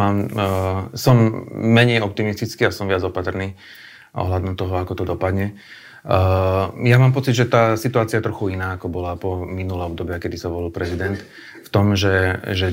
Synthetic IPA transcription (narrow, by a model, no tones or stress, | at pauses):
aːm | sɔmːɛɲɛjɔp̚t̪imist̪it͡skiːasɔmʋɪad͡zɔpat̪rniː | ʔɔ̰ɦlad̪ɔmt̪ɔɦɔakɔt̪ɔd̪ɔpad̪ɲɛ | jamaːmpɔt͡sid̪ʒɛt̪aːsit̪uaːt͡siaɛt̪ɾɔxuinaːakɔbɔlapɔminulɛɔb̚d̪ɔbɪakɛd̪isaʋɔlilpɾɛzid̪ɛnt̪ | ft̪ɔmʒɛʒɛ